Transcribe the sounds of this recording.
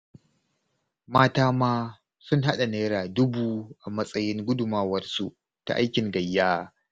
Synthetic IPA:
maː˦taː˦maː˦ | sʊ˦ŋɦa˦ɗa˨neː˦ɾaː˨dʊ˦buː˦ʔa˨mɐ˦sʼɐ˦jɪ˦ŋɡʷʊ˦dʊ˨maː˦wɐ˨rsṵ˨ʔ | ta̰˨ʔa̰˦jkʲɪ˨ŋɡɐ˨jːaː˦

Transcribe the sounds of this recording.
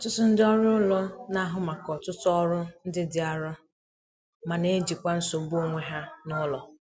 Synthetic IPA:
tʊ˦tʊ˦n̩˦dɪ˦ɔ˦ɾʊ˦ʊ˦lɔ˦na˦ɦʊ˨ma˨kɔ˨tʊ˦tɔ˦ɾʊ˦n̩˦dɪ˦dɪ˨a˨ɾɔ˦ | ma˨ne˦d͡ʒi˨kʷa˦n̩˦so˨bu˦o˦ŋʷe˦ɦa˦nʊ˦lɔ˨

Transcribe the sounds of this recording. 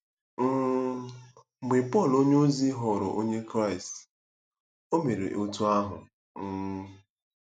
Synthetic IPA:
m̩˦ | ŋ͡m̩˨ɡ͡be˨pɔ˦˨lo˦ɲe˦o˦zi˦ɦɔ˨ɾʊ̰˨ʔo˦ɲe˦kɾa˦˨ɪ˨st | o˦me˨ɾḛ˨ʔo˦tu˦a˦ɦʊ̰˨ | ŋ̩˦

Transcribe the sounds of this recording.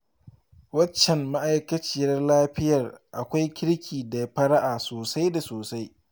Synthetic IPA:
wɐ˦t͡ʃːɛ˨mma˦ʔa˦jkɐ˦t͡ʃiː˨jɐ˦rlaː˦ɸɪ˦jɐ˨rʔa˨kʷa˦jkʲɪ˦ɽkʲʰiː˨da˨ɸɐ˦ɾa˦ʔaː˨soː˨sa˦jda˨soː˨sa˦j

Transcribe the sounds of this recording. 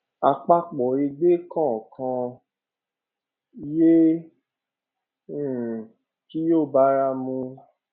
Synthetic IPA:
a˧k͡pa˧k͡pɔ˨e˧ɡ͡be˦kã˦˨kʰã˧ | je˦˨ | ki˦joː˦˨ba˦ɾa˧mũ˧

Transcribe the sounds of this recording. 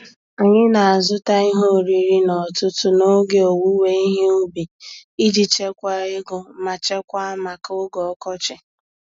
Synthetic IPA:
a˨ɲɪ˦na˨a˨zʊ˦ta˦ɪ˦ɦo˦˨ɾi˨ɾi˦nɔ˨tʊ˦tʊ˦no˦ɡe˦o˨wu˦we˦i˦ɦe˦u˦bi˨i˦d͡ʒi˨t͡ʃe˦kʷa˦ɪ˦ɡʊ˨ma˨t͡ʃe˦kʷa˦ma˨kʊ˦ɡɔ˨ɔ˦kɔ˦t͡ʃɪ˨

